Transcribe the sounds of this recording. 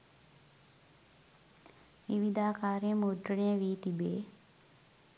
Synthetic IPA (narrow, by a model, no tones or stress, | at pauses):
ʋiʋid̪ʱaːkaːɾjəmud̪ɾəɳejəʋiːt̪ibeː